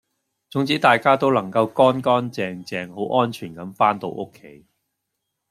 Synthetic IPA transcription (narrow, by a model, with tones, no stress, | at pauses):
t͡sʊ˨˥ŋt͡siː˨˥t̪aː˨jkaː˥t̪̬o˥wlɐ˨˩ŋkɐ˧wkɔː˥nkɔː˥nt͡sɛː˨˧ŋt͡sɛː˨˧ŋho˨˥wʔɔː˥nt͡ʃʰyː˨˩nkɐ˨˥mfaː˥nt̪o̰˧wʔʊ˥kʰːe˨˥j